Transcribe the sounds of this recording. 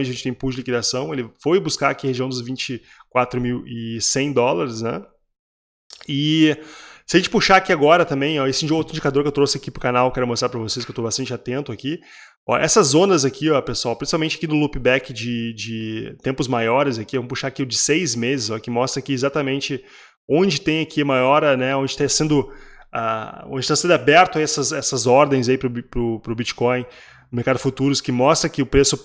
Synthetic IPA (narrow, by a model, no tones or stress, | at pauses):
ẽnt͡ʃɪɐʒẽt͡ʃɪt̪ẽj̃puʒɪlikid̪asɐ̃w̃elɪfojbuskaɾakiheʒiɐ̃w̃d̪ʊzvĩt͡ʃɪ | kwat̪ɾʊmiwɪsẽj̃d̪ɔlaɾɪznɛ̰ | ɪ | sɪɐʒẽnt͡ʃɪpuʃaakiaɡɔɾɐt̪ɐ̃mbẽj̃ɔesɪĩd͡ʒowt̪ɾʊĩd͡ʒikad̪oɾkewt̪ɾosɪakipɾʊkanawekɛɾʊmost̪ɾaɾpɾɐvoses̬kewt̪obast̪ɐ̃nt͡ʃɪat̪ẽnt̪ʊaki | ɔ̰ʔɛ̰sɐzõnɐzakʰiɔpesuawpɾĩsipawmẽnt͡ʃɪḁkinʊlupibɛkɪd͡ʒɪd͡ʒɪt̪ẽmpʊzmajɔɾɪzakivɐ̃mʊpuʃaɾakilʊd͡ʒɪsejzmezɪzɔkɪmɔst̪ɾɐakiezat̪ɐmẽnt͡ʃɪ | õd͡ʒɪt̪ẽj̃akʰiɐmajɔɾɐnɛõnd͡ʒɪt̪ãsẽnd̪ʊ | a̰õd͡ʒɪt̪asẽnd̪abɛɾt̪ʊaiɛsɐzɛsɐzɔɾd̪ẽj̃zaipɾʊpɾʊpɾʊbit͡ʃi̥kõj̪̃ | ʊmeɾkad̪ʊfut̪uɾʊskɪmɔst̪ɾɐkɪʊpɾesʊ